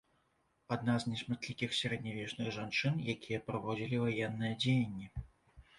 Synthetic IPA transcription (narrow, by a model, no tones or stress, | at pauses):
ad̪naznʲɛsmat̪ʲlʲikʲixsʲaɾɛd̪nʲavʲɛt͡ʂnɨɣʐant͡ʂɨnjakʲijɐpɾavɔd͡zʲilʲivajɛnːɨjɐd͡zʲejɐnʲːi